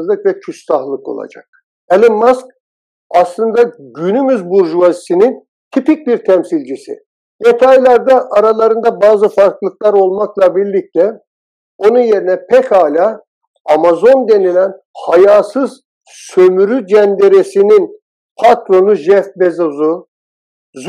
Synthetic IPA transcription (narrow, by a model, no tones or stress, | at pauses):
zlˠɯkvɛcʰyssahlˠɯko̞̰lˠa̰d͡ʒa̰k̚ | ɛlʲimːask̚ | ɑslˠɯnd̪aɟynymyzbuɾʒuvazisinin | t̪ʰipic̚biɾt̪ʰɛmsilʲd͡ʒisḭ | j̪et̪ʰajlʲˠaɾd̪aʔːɾalˠaɾɯnd̪abaːzɯfaɾklˠɯklˠaɾo̞lˠmaklˠɑbiɾlʲic̚t̪ʰɛ | o̞nunje̞ɾinɛpʰɛkʰaːlʲa | amazo̞nd̪e̞nilʲænhajaːsɯz̥ | sø̞myɾyd͡ʒænd̪eɾesinin | pʰat̪ɾo̞nuʒɛfbezazu | z